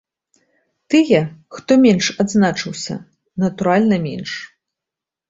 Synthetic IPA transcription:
t̪ɨjɛxt̪ɔmʲɛnʂad̪znat͡ʂɨwsʲɐ̰ | nɐt̪uɾalʲnɐmʲɛ̰nʂ

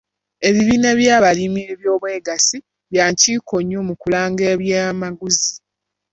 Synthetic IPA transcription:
e̞βiβiːne̞βjaːβalimieβjo̞ːβwe̞ːɡasi | βjaːɲciːkʰo̞ɲːomukulaːŋɡeːβjaːmaɡuzi

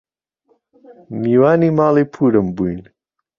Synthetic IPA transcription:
niːwaːniːmaːliːpʰuːɾɨmbujn

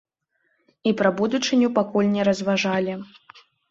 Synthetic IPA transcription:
ipɾɐbud̪ut͡ʂɨnʲupakulʲnʲɛɾɐzvaʐalʲi

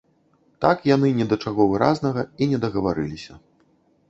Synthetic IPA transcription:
t̪akjan̪ɨnʲɛd̪ɐt͡ʂaɣɔvɨɾa̰znɐɣɐinʲɛd̪ɐɣɐvaɾɨ̰lʲisʲɐ

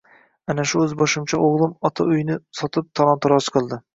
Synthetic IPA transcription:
anaʃʊɵzbɒʃɪmt͡ʃʰaʔoʁlˠɪmɒt̪ʰaʊjnɪsɒt̪ʰɪp̚t̪ʰɒlˠɒnt̪ʰɒɾɒt͡ʃʰqʰɨlˠd̪ɪ

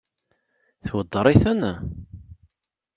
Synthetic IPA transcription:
θwəd̪ˤːɾˤiθən

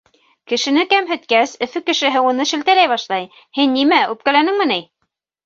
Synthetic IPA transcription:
kɘ̆ʃɘ̆nɘkæmɦɘ̆t̪kæsɵ̆fɘkɘ̆ʃɘ̆ɦɘwunɤʃɘ̆lt̪ælæjβɑʃlˠɑj | hɘnːimæʉp̚kælænɘŋmɘ̆nɘj

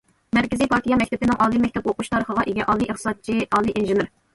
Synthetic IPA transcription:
mɛɾkʲɪzijpʰɑɾt̪ʰijɑmɛkʲt̪ʰɛpɪnɪŋʔɑlˠimɛk̚ʲt̪ʰɛpoqʰuʃt̪ʰɑɾəχəʁɑʔeɡʲɛʔɑlˠiʔəχt̪ɨ̥sɑd̪̚t͡ʃʰiɑːlˠiʔinʒɨnɨɾ

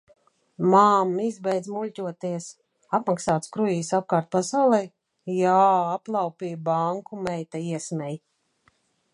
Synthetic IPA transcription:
maːmizbɛjd̪zmulʲcʲuɔt̪iɛs | apmaksaːt̪skɾujiːsap̚kaːɾt̪̚pasawlˠɛj | jaːaplˠawpʲiːbaŋkumɛjt̪aiɛsmʲɛj

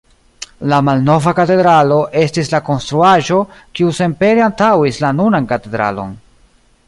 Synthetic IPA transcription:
lamalno̞vakate̞d̪ɾalo̞ʔe̞stislako̞nst̪ɾuaʒo̞kiuse̞mpe̞ɾeantawislanunankate̞d̪ɾa̰lo̞̰n

